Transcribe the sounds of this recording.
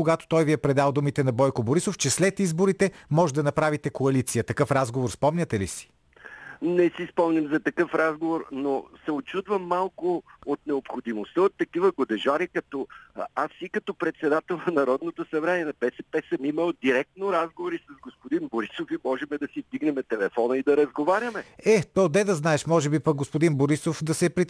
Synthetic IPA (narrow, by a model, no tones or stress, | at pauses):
oɡat̪o̥t̪ɔjvijɛpɾɛd̪alˠd̪umit̪ɛnɐbɔjkʊboɾisoft͡ʃɛslɛt̪izboɾit̪ɛmɔʒɛd̪ɐnɐpɾavit̪ɛkoɐlit̪sijət̪ɐkɤfɾazɡovoɾspɔmnʲɐt̪ɛlisi̥ | nɛsispɔmnʲɐmzɐt̪ɐkɤfɾazɡovoɾnosɛot͡ʃud̪vəmːalˠkʊot̪nɛopxod̪imost̪əot̪ːɐkivəɡod̪ɛʒaɾikɐt̪ɔasikɐt̪ɔpɾɛt̪sɛd̪at̪ɛlˠnɐnɐɾɔd̪not̪osɐbɾaniɛnɐpɛsɛpɛsəmiməlˠd̪iɾɛk̚t̪noɾazɡovoɾisɐzɡospod̪inboɾisofimɔʒɛmɛd̪ɐsizd̪iɡnɛmɛt̪ɛlɛfɔnəid̪ɐɾɐzɡovaɾʲəmɛɛt̪ɔd̪ɛd̪ɐznaɛʃmɔʒɛbipɐk̚ɡospod̪inboɾisofd̪ɐsɛpɾi